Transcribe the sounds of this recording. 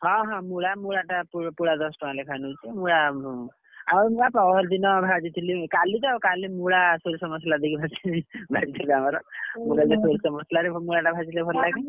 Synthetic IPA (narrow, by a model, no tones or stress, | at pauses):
ɦʌ̃ɦɔ̃muɽamuɽaʈapupuɽad̪ɔsʈɔãlekʰanut͡ʃʰimuɽa | amɾmuɽapaɔɦɔɾd̪inʌbʱad͡ʒit̪ʰilikalid͡ʒawkalimuɽasoɾisʌmʌslad̪ikibʱat͡ʃʰilibʱad͡ʒit̪ʰiliamaɾʌmuɽad͡ʒasoɾisɔmɔslaɾimuɽaʈabʱat͡ʃilebʰʱɔɾlaɡe